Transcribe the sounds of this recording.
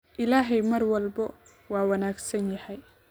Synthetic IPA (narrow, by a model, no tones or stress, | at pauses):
ʔɪlaːɦɛjmɐrwɐlbɔ | wɑːwɑnaːɡsɐnjɐhɛj